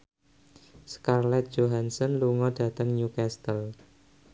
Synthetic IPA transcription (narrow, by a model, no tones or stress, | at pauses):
skarlɛt̪̚d͡ʒoɦansɔnluŋɔd̥ä̤t̪əŋɲukast̪əl